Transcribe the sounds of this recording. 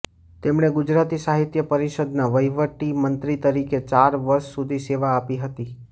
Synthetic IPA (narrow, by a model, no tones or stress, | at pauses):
t̪emɳeɡʊd͡ʒɾat̪isaɦit̪jəpəɾiʃəd̪naʋəjʋəʈimənt̪ɾit̪əɾiket͡ʃaɾʋəɾʃsud̪ʱiseʋaːpiɦət̪i